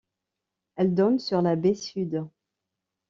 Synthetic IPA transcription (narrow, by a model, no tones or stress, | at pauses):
ɛld̪ɔnsyʁlabesyd̪